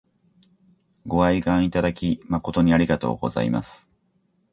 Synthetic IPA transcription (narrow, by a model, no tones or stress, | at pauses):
ɡo̞aiɡãɰ̃it̪ad̪akʲimako̞t̪o̞ɲ̟iaɾʲiɡat̪o̞̰ːɡo̞̰za̰ima̰sɨ̥